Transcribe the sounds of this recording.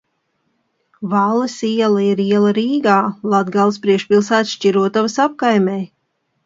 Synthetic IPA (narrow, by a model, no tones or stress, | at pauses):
valˠːɨsiɛlˠaiɾiɛlˠɐɾiːɡaːlˠad̪ɡalˠspɾiɛkʃpʲilˠsæːt̪sʃt͡ʃiɾuɔt̪avɐsap̚kajmʲɛj